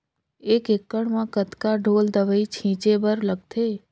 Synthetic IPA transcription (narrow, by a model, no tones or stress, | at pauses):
ekekːəɳmãkət̪kaɖʱold̪əʋəit͡ʃʰĩt͡ʃebəɾləɡ̚t̪ʰe